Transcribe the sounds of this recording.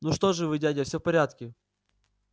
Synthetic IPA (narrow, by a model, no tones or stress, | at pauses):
nuʂt̪oʐɨvɨdʲadʲɐfsʲofpɐɾʲat̪kʲɪ